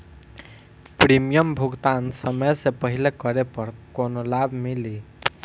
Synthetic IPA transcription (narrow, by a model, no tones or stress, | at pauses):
pɾimijʌmbʱuɡt̪ansʌmʌjsepʌɦilekʌɾepʌɾkonolabʱmili